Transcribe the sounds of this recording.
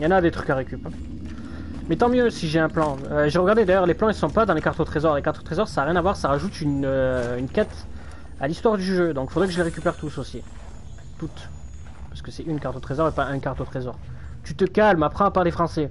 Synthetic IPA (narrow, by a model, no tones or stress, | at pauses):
jɑ̃nad̪et̪χy̥kaʁekʲyp | mɛt̪ɑ̃mjøsiʒeɛ̃plɑ̃øʒeʁəɡaʁd̪ed̪ajœʁleplɑ̃ilsɔ̃pad̪ɑ̃lekaʁt̪ot̪χezɔʁlekaʁt̪o̥t̪χezɔʁsaːʁjɛ̃navwaʁsaʁaʒut̪ynøynkat̪ | alist̪waʁd̪yʒød̪ɔ̃kfod̪ʁekəʒəleʁekʲypɛʁt̪usosi | t̪ut̪ | paʁsəkəsɛynkaʁt̪ot̪χezɔʁepaɛ̃kaʁt̪ot̪χezɔʁ | t̪yt̪əkalmapχɑ̃apaʁlefχɑ̃sɛ